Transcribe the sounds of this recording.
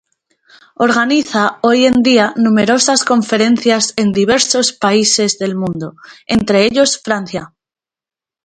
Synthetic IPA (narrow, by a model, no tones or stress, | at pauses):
o̞ɾɣaniθao̞je̞nd̪ianũme̞ɾo̞sasko̞ɱfe̞ɾẽ̞n̟θjase̞nd̪iβ̞e̞ɾso̞spaise̞zðe̞lmũnd̪o̞e̞nt̪ɾe̞eʎo̞sfɾanθja